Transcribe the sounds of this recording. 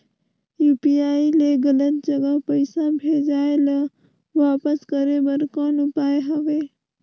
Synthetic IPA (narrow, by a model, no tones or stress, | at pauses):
juːpiaːileɡələt̪̚d͡ʒəɡəɦpəɪsabʱeːd͡ʒaːelə | ʋaːpəskəɾebəɾkɔːnʊpaːeɦəʋeː